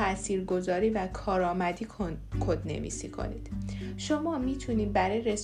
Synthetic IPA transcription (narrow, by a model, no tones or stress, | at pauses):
æʔsiːɾɡo̞zɒːɾiːvækʰɒːɾɒːmæd̪iːkʰod̪nḛvḭsḭːkʰo̰nḭːd̪̥ʃomɒːmiːt̪ʰuniːd̪̚bæɾɒːjeɾe̞s